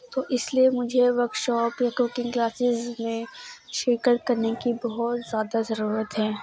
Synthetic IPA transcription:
t̪oːʔɪsliemʊd͡ʒʱeʋɐɾkʈ̪ʃɔːpekuːkɪ̃ŋklaːsɪzmẽʃɪɾkəɾkɐɾnekibɐɦʊt̪z̥jaːd̪azɐɾuːɾət̪ɦɛː

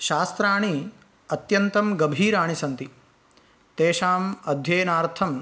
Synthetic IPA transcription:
ʃaːst̪ɾaːɳ̃i | ɐt̪jɐnt̪ɐmɡɐbʱiːɾaːɳ̃isɐnt̪i | t̪eːʃaːmɐd̪ʱjeːnaːɾt̪ʰɐm

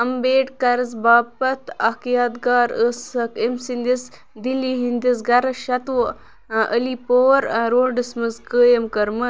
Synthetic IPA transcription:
ɐmbeːʈkɐɾɐzbaːpɐt̪ʰɐkjaːd̪ɡaːɾəsɐkemsind̪is | d̪ilːiɦind̪is̬ɡɐɾɐʃɐt̪ʋ | ə̰lipoːɾɾoːɖɐsmɐzkəːjɐmkɐɾmɐ

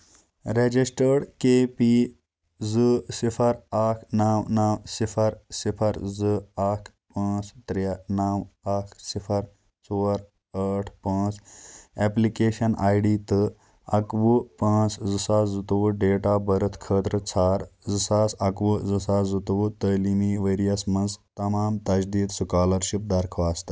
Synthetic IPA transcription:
ɾed͡ʒisʈəɽkeːpi | zɨsipʰəɾakʰnaːwnaːwsipʰɐɾsipʰɐɾzɨakʰ | pãːt͡st̪ɾanaːwakʰsipʰɐɾ | t͡soɾ | əːʈʰpãːt͡seplikeːʃɐnʔaːjɖiːt̪ɨ | ɐkʋupãːt͡szɨsaːzut̪uʋuɖeːʈaːbɐɾɐt̪ʰkʰəːt̪ɾət͡sʰaːɾzɨsaːsɐkʋuzɨsaːzut̪ʋut̪əːlimiːʋeːɾijɐsmɐnzt̪ɐmaːmt̪ɐd͡ʒd̪iːd̪sukaːlɐɾʃip̚d̪ɐɾkʰʋaːst̪ɐ̥

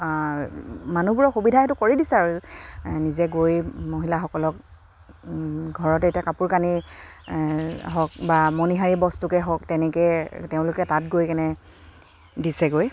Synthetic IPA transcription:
manubuɹɔxubidʱaɦɛtʊkoɹidisɛaɹunizɛɡojmoɦilaxɔkɔlɔk | ɡʱɔɹɔtɛetiakapuɹkani | ɦɔk̚bamɔniɦaɹibɔstukɛɦɔktɛnɛkɛteʊ̃lʊkɛtatɡojkɛnɛ | disɛɡoj

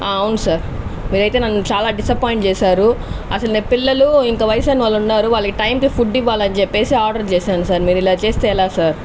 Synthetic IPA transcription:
aːɐwunusaːɾmiːɾɐjt̪eːnɐnːut͡ʃaːlaːɖisɐpoːjiɳʈt͡ʃɛːsaːɾuɐ̰sɐlneːpilːɐluiŋkɐːʋɐjɐsaːniʋaːlːunːaːɾuʋaːlːɐkiʈɐjmkipʰuɖːiʋːaːlɐnt͡ʃepːe̞ːsiaːɾɖɐɾt͡ʃeːsaːnusaːɾmiːɾuilaːt͡ʃe̞ːst̪eːɛlaːsaːɾ

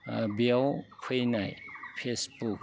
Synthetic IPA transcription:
bjawkʰejnajpʰesbuk̚

